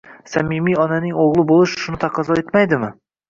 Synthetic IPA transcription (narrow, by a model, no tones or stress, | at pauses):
samɪmijɒnanɪŋoʁlˠɪbolˠɪʃʃʊnɪt̪ʰaqʰɑzɒe̞t̪majd̪ɪmɪ